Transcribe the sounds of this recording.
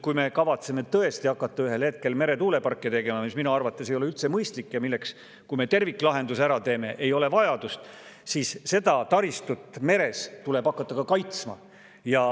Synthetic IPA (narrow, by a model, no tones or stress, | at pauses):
kujme̞kɑvɑt̪seme̞t̪ɤ̞e̞st̪iɑkːˑɑt̪ˑːɑyɦe̞lhe̞t̪̚ke̞lme̞ɾe̞t̪uːle̞pɑrkːˑet̪e̞ɡe̞mɑmisminuɑrvɑt̪ˑːes̬ejoeylt̪se̞mɤjst̪likːjɑmilːe̞ks | kujme̞t̪e̞rvikːˑlɑɦe̞nd̪usæɾɑt̪e̞ːme̞ʔejo̞le̞vɑjɑd̪ust̪sisse̞d̪̥ɑt̪ɑɾist̪ut̪ːˑme̞ɾe̞st̪ule̞bɑkːˑɑt̪ːɑkɑkɑjt̪smɑ | jɑ